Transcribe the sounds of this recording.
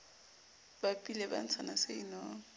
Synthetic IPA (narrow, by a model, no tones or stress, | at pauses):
b̥apʼilɛba̰n̩t͡sʰanaseinɔː